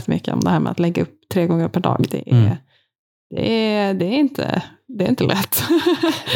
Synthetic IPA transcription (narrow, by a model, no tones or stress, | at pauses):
t̪ːəmʏkːəɔ̰md̪ɛhæːɾmɛat̪lɛɡːaɵpːt̪ʰːɾeːɡɔŋːəɾpʰæɖɑ̰ːɡd̪ɛʔæɾ | d̪̥ɛd̪ɛæɾɪnt̪ʰə̰d̪ɛɾɪnt̪əlʔɛt̪ː